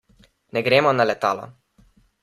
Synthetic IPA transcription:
nɛɡɾeːmɔnalɛt̪aːlɔ̰

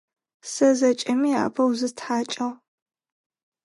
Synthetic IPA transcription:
sɐzɐt͡ʃʼɐmiːa̰ːbʰɐwzɨtħaːt͡ʃʼɐʁ

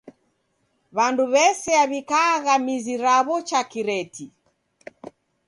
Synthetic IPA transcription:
βanduβɛsɛaβikaːɣamiziɾaβɔt͡ʃakiɾɛti

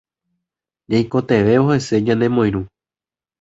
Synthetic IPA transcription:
d͡ʒajko̞t̪e̞ʋe̞ohe̞se̞d͡ʒãnd̪e̞mõj̃ɾũ

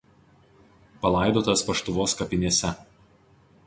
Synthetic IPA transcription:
pɐlˠɐˑɪd̪oːt̪ɐspɐʃt̪ʊʋoːskɐpʲɪnʲeɛsʲɛ

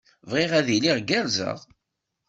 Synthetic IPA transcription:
vʁiʁæðiliʁɡæɾzə̰ʁ

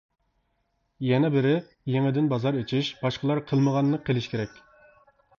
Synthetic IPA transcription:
jɛnɛbɪɾɪ | jeŋɪd̪ɪnbɑzɑɾet͡ʃʰiʃb̥ɑʃqəlˠɑɾqʰəlˠməʁɑnːəqʰːelˠɪʃkʲʰeɾɛkʲ

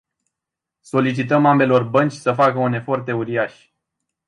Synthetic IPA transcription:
so̞lit͡ʃit̪əmambe̞lo̞rbənt͡ʃʲsəfakəune̞fo̞rt̪e̞uɾiaʃʲ

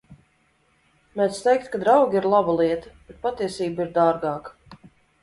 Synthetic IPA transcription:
mɛt̪st̪ɛjk̚t̪kad̪ɾawɡʲiɾlˠabalˠiɛt̪ə̥b̥et̪̚pat̪iɛsiːbiɾd̪aːɾɡɑːkḁ

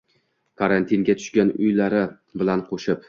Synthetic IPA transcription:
kʰaɾant̪ʰiŋɡʲat̪ʰʊ̥ʃkʲanʊ̰jlaɾɪ | bɪlanqʰoʃɪp

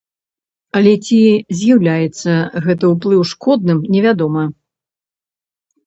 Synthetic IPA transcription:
ɐlʲɛt͡sʲizʲjawlʲajɛt̪sːɐɣɛt̪̬ɨuplˠɨwʂkɔd̪̚nɨmnʲɛvʲad̪ɔmɐ

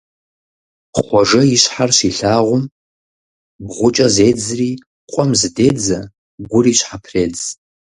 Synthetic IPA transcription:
χʷaʐɨiʃʷħarʃʷiɬaʁʷʊm | bʁʷʊt͡ʃʼazejd͡zri | qʷʼɔmzded͡za | ɡʷʊriʃʷħapʰred͡z

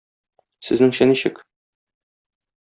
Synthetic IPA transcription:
sɘ̆znɘŋɕæniɕɘk

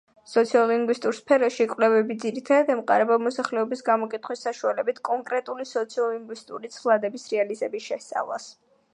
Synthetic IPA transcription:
sɔt̪sʰiɔlˠiŋɡwist̪ʼuɾspʰɛɾɔʃikʼwvlɛvɛbid̪ziɾit̪ʰad̪ad̪ɛmqʼa̰ɾɛbamɔsaχlɛɔbisɡamɔkʼit̪ʰχwisːaʃualɛbit̪ʰkʼɔŋkʼɾɛt̪ʼulisɔt̪sʰiɔlˠliŋɡwist̪ʼṵɾit̪sʰlˠad̪ɛbisɾɛalizɛbisʃɛst̪sʼa̰vlˠa̰s

